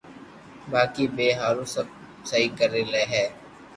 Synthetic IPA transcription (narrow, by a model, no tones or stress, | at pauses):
baːkiːbeːɦaːɾõːsəb | səɦiːkəɾeːleːɦɛː